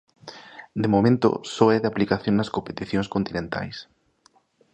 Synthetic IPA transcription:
d̪emomẽnt̪o̰sɔɛðaplikaθjoŋnɐskompet̪iθjõŋskont̪inẽnt̪a̰js

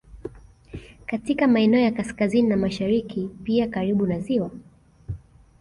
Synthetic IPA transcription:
katikamaɛnɛɔjakaskazininamaʃaɾikipiakaɾiɓunaziwa

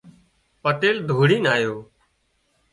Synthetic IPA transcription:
pəʈeːld̪ʱuːɽiːnaːjoː

